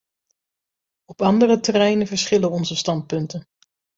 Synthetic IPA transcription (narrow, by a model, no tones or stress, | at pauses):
ɔpɑndərətərɛjnənvəɹsχɪlənɔnzəstɑnt̚pɵntən